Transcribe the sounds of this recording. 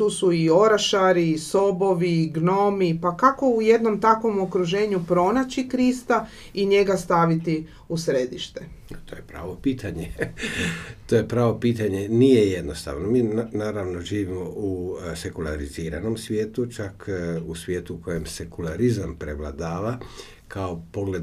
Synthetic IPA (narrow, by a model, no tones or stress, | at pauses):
t̪uːsuio̞ɾaʃaɾiso̞bo̞ʋiɡno̞mipakako̞uje̞d̪no̞mt̪akʋo̞mokɾuʒe̞ːɲupɾo̞nat͡ɕikɾist̪a | iɲe̞ɡast̪aʋit̪i | usɾed̪iʃt̪e̞t̪oːjepɾa̰ːʋopiːt̪ʰaɲe | t̪ojepɾaːʋo̞piːt̪aɲe̞nijeje̞d̪nost̪a̰ːʋnomiːnaːɾaʋno̞ʒiːʋimouse̞kulˠaɾiziːɾa̰nomsʋjeːt̪ut͡ʃakusʋʲjeːt̪uːko̞jemse̞kulaɾizampɾeʋlˠa̰d̪aːʋa | kʰaopo̞ɡle̞d̪